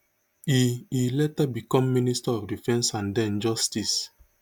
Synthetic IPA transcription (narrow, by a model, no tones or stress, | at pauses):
iilɛtabikɔ̃mːinistaɔfdifɛ̃nsãndɛ̃nd͡ʒɔstis